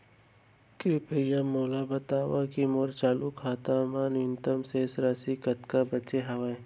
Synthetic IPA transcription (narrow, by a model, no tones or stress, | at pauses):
kepejamoːlabɐt̪aːʋakimoɾt͡ʃaːlukaːt̪aːmaːnɪnt̪əmsesɾasikɐt̪kabɐt͡ʃeɦɐʋaẽ